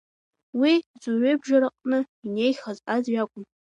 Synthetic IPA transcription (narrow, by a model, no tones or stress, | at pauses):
wizuɥejbʒaɾaqʼnɨ | ine̞jχazazɥakʷʼʊm